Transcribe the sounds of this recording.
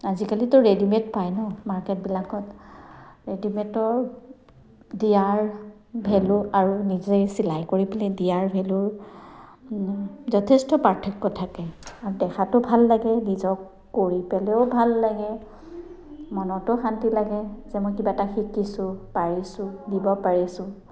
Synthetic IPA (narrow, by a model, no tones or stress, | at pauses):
azikalitʊɹedimɛtpajnɔmaɹkɛt̚bilakɔt | ɹedimɛtɔɹ | diaɹ | bʱɛlʊaɹunizɔjsilajkoɹipɛlɛdijaɹbʱɛlʊɹ | zɔtʰɛstɔpatʰɛkːɔtʰakɛaɹudɛxʰatʊbʱalːaɡɛnizɔkː | oɹipɛlɛʊbʱalːaɡɛ | mɔnɔtʊxantilaɡɛzɛmɔjkibataxikisʊ̃paɹisʊ̃dibɔpaɹisʊ̃